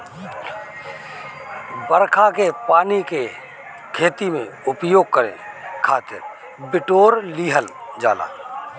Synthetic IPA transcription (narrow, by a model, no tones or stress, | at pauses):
bəɾkʰakepaːnike | kʰeːt̪imẽʊpjoːɡ̚kəɾḛ̃kʰaːt̪ɪ̰ɾ | bɪʈoːɾliːɦəld͡ʒaːla̰ː